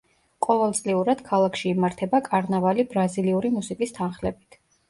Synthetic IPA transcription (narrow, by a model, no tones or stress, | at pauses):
qʼɔvɛlˠt̪sʼliuɾad̪̥kʰalˠakʰʃiːmaɾt̪ʰɛbakʼaɾnavalibɾaziliuɾimusikʼist̪ʰanχlɛbit̪ʰ